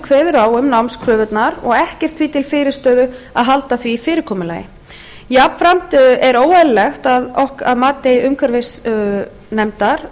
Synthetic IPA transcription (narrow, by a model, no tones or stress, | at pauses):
kʰvɛːðʏɾaːwʏmnawmskʰɾœːvʏt̪naɾɔ̰ɣɛhcɛr̥t̪ʰfviːt̪ʰɪlfɪːɾɪst̪œːðʏa̰ðɦalt̪aθviːfɪːɾɪɾ̥kʰɔːmʏla̰ːjɪ̰ | japfɾam̥t̪ɛɾoːwɛllɛxt̪aðɔhkaðmaːt̪ejʏmkʰvaɾvɪs | nɛmt̪aɾ̥